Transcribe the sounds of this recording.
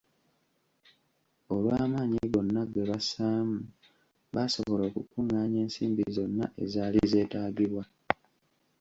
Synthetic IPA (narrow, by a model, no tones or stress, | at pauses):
olwaːmaːɲiβo̞nːaɡe̞βasaːmu | βaso̞βo̞lo̞ːkukuŋːaːɲe̞ːnsiːmbizo̞nːa̰ʔe̞̰zaːlize̞ːtaːɟiɾwa